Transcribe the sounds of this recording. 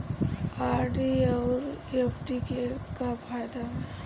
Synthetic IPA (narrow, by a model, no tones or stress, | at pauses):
aːɾɖiɔːɾepʰʈikekafʰaːjd̪aɦɛː